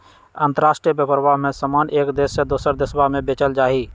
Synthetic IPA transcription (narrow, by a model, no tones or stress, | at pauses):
ə̃nt̪əɾaːsʈɾijbəpəɾʋaːɦmẽsəmaːnʔeːkd̪eːsed̪oːsəɾd̪ɪswamẽbet͡ʃəld͡ʒaːiː